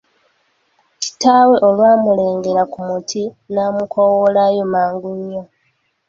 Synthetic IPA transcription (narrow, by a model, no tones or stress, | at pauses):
ci̥taweʔolwaːmule̞ːŋɡeɾakumutʰi | naːmukowolajomaːŋɡuɲːo